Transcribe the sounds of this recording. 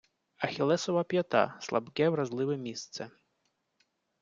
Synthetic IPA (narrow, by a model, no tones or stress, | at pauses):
ɐxʲilˠɛsɔvɐpʲjat̪a̰slˠa̰bkʲɛwɾazlˠɨʋɛmʲist̪sɛ